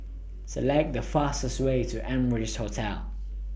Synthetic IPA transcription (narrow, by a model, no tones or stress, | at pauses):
səlɛk̚dəfastəstweɪtʰuʔɛ̃məɹɪd͡ʒhotʰɛl